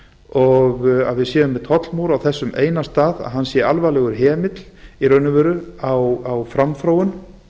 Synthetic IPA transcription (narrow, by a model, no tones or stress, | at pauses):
ɔɣa̰ðvɪðsjɛːðʏmːɛt̪ʰɔt̪lmuːwɾawθɛsːʏmʔḛːjnast̪aːða̰ðɦanːsjɛalvajlɛɣʏɾ̥ɦɛːmɪt̪l̥iɾœɥnʏvɛːɾʏawawfɾamfɾaːwʏn